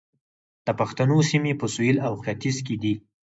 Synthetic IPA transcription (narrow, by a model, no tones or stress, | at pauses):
d̪̥əpaxt̪anosimepəsujilawxat̪izked̪i